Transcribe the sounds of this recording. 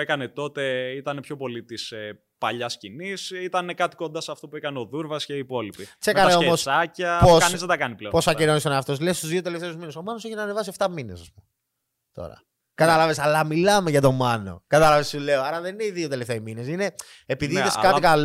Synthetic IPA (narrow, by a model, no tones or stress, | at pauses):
ekɐne̞t̪o̞t̪e̞it̪ɐnepço̞po̞lit̪ise | pɐʎɐscinisit̪ɐnekɐt̪i̥ko̞nd̪ɐsɐft̪o̞puekɐneo̞ðuɾvɐsce̞iːpo̞lipisekɐneomosɐcɐposɐnizðed̪ɐkɐnipleposɐkinonisoneɐft̪o̞slest̪uzðio̞t̪e̞left̪e̞uzmineso̞mɐno̞seçinɐːnevɐsieft̪ɐmine̞sɐspum | t̪o̰ɾɐ̰ | kɐt̪ɐlɐve̞sɐlɐmilɐme̞ʝɐt̪o̞mɐno̰kɐt̪ɐlɐvesile̞oɐɾɐðe̞nine̞iðio̞t̪eleft̪emine̞sine̞ | epiðiiθeskɐt̪ikɐl